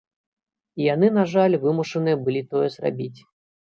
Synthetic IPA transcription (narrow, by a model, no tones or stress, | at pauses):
ijanɨnaʐalʲvɨmuʂɐnɨjɛbɨlʲit̪ɔjɛzra̰bʲit͡sʲ